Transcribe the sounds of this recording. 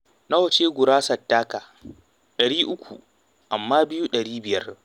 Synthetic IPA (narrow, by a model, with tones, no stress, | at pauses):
na˦wɐ˨t͡ʃeː˦ɡʷʊ˨ɾaː˦sɐ˨tːaː˦kaː˨ | ɗɐ˨ɽiː˦ʔʊ˦kʷʰṵ˨ | ʔa˨mːaː˦bɪ˦juː˦ɗɐ˨ɽiː˦bɪ˨jɐ˦r